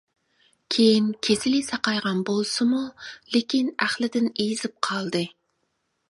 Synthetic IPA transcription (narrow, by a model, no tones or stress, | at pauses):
kʲʰejinkʲʰesɪlɪsɑqɑjʁɑnbolˠsɨmulekʲinæχlɪd̪ɪnejizɪp̚qʰɑlˠd̪ɨ